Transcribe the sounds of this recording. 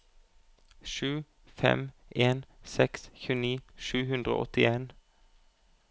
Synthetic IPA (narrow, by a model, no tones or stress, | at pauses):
ʃʉː | fɛ̰mʔeːnsɛksçʉːniːʃʉːhʉnd̪ʁəo̰ːʔɔt̪ɪeːn